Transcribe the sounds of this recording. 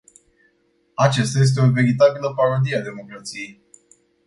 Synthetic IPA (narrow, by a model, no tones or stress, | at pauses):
at͡ʃest̪aje̞s̬t̪̬eove̞ɾit̪̬abiləpaɾod̪iead̪e̞mo̞kɾat̪sije̞j